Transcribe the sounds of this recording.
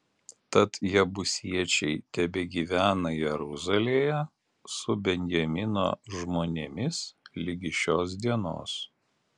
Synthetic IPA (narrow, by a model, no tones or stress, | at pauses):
t̪ɐt̪jɛbʊsʲiɛt͡ʃʲɛɪt̪ʲɛbʲeɡʲiːʋʲæːnɐjɛɾʊzɐlʲeːjɛ | sʊbʲɛnʲjɛmʲɪno̰ːʒmoːnʲemʲɪslʲɪɡʲɪʃʲoːs̬d̪ʲiɛno̰ːs